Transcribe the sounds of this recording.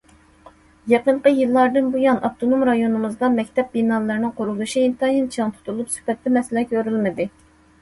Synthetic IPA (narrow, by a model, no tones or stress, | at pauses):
jeqəɴqəjɨlˠːɑɾd̪ɨnbujɑnʔɑpt̪ʰonomɾɑjonɨmɨzd̪ɑmɛkʲt̪ʰɛp̚binɑlˠːɨɾnɨŋqʰoɾud̪uʃiint̪ɑjint͡ʃʰɑŋt̪ʰu̥t̪ʰuɾlˠupsy̥pɛt̪ːɛmɛsɪlɛkʲʰøɾylmɪd̪ɪ